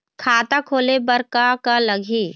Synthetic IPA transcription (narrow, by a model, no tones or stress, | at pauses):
kʰaːt̪akʰoːlebəɾkakaləɡʱiː